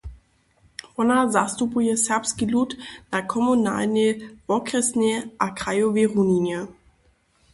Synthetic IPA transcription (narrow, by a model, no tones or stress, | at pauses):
ɔnazast̪upujɛsɛʁpskilut̪nakʰɔmuna̰ːlnɛvɔkrɛsnɛʔakʁ̥ajɔvɛʁuninjɛ